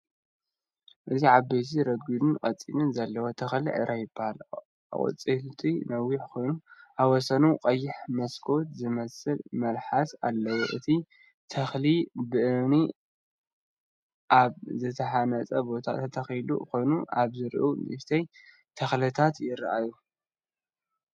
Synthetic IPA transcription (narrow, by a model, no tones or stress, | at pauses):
ʔɨt̪iʕabet̪ʰiɾɐɡɨd̪ɨnkʼɐt͡sʼːḭnɨnzɐlːɐwot̪ʰɐxliʕɨ̰ɾʔajɪbahal | ʔχʼɨ̰t͡sʼilt̪ʰinɐwːiħkʰo̞jnuʔaβwɔsɐnuqʼɐjːɪħmɐskʰo̞t̪zɨmɐsɨlmɐlħasalːɐwoʔɨt̪ʰi | t̪ʰɐxlibɨʔɨni | ʔaβzɨt̪ʰɐħanɐt͡sʼɐbo̞t̪ʰa̰t̪ʰɐt̪ʰɐxjlṵko̞jnuʔaβzɨɾʔunḭft̪ʰɐj | t̪ʰɐxlɐt̪ʰat̪jɪɾaʔaju